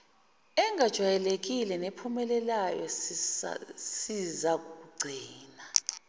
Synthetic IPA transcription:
ɛŋɡʱad̥ʒ̥ʱwajɛlek̬ilɛnɛpʰumɛlɛlajɔ̰ | sizak̬uk̬uɡ͡ǀʱiːna

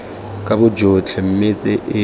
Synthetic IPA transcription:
kʼabʊd͡ʒʊt͡ɬʰɛm̩mɪt͡sʼɛʔɪ

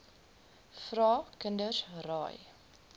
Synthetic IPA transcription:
frɑːkəndəsrɑ̰ːj

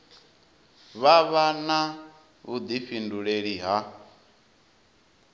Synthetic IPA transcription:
βaβana | βud̪iɸinduɺeɺiɦa

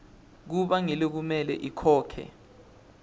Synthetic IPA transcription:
k̬uɓaŋilek̬umɛlɛ̰ʔikʰɔːkʰɛ̰

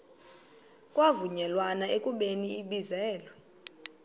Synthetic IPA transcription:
kʼwavuɲɛlwanaekʼuɓeniiɓizɛːlwɛ

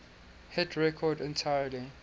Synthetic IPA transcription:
hɪtʰɹɛkʰɔdɛ̃ntʰaɪəli

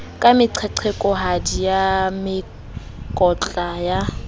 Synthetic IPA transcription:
kʼamɪt͡sʰɛǀʰɛkʼɔɦadijamɪ | kʼɔt͡ɬʼaja

